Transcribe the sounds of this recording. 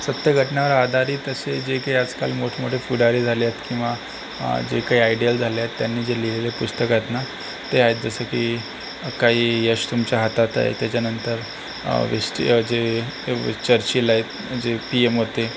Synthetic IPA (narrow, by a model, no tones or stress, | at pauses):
sət̪jəɡʱəʈɳjaʋəɾad̪ʱaɾiːt̪əsed͡ʑekaiad͡zkalmoʈʰmuɖʱefuɽaɾiːd͡zʱaleet̪kĩw̃ʋa | d͡ʑḛkaɦiajɖijəld͡zʱaljaet̪ːjanːiːd͡zelilelepust̪əkaet̪na | t̪eaɦet̪̚d͡zəsəkiː | kaɦiːjəɕt̪umt͡ɕaɦat̪at̪a̰jḛt̪jat͡ɕjanənt̪əɾ | ʋesʈḭd͡ze | t͡ɕəɾt͡ɕiːlaɦet̪ | d͡zepiemɦot̪e